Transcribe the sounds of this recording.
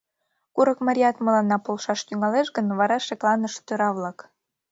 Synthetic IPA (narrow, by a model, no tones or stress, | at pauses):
kuɾəkmɑɾʲiɑt̪məlɑnːɑpolʃɑʃt̪yŋɑleʃɣənβɑɾɑʃeklɑnəʃt̪øɾɑβlɑk